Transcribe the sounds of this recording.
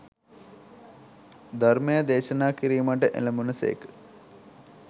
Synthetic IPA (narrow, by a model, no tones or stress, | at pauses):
d̪ʱarmejəd̪eːʃənaːkiɾiːmaʈ̬əʔḛləmunəsḛːkə̥